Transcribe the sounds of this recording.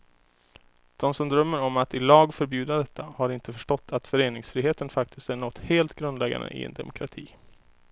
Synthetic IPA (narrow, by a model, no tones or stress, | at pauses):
d̪̥ɔmsɔmd̪ɾœmːəɾɔmat̪ɪlɑːɡfœɾbjʉ̟ːd̪ad̪ɛt̪ʰːahaɾɪnt̪əfœʂʈɔt̪ːat̪fœɾeːnɪŋsfɾiːɦeːt̪ənfak̚t̪ʰɪst̪æɳɔt̪ːheːlt̪ɡɾɵnd̪lɛɡa̰nd̪ə̰ʔɪ̰ɛ̰nd̪ɛ̰mʊkʰɾat̪ʰiː